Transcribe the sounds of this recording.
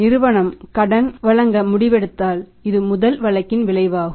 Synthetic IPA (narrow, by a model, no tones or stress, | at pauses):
nɪɾɯʋɐɳɐmkɐɽɐnʋɐɭɐŋɡɐmʊɽɪʋɛɽɯt̪ːaːlɪðɯmʊðɐlʋɐɭɐkːɪnʋɪɭɐɪʋaːɣɯ